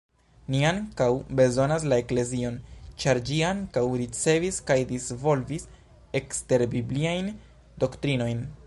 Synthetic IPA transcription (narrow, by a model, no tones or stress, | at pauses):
niaŋkawbe̞zo̞nas̬lae̞kle̞zio̞nt͡ʃaɾd͡ʒiaŋkawɾit͡se̞viskajdisvo̞lvis | e̞kste̞ɾbibliajn | do̞ktɾino̞jn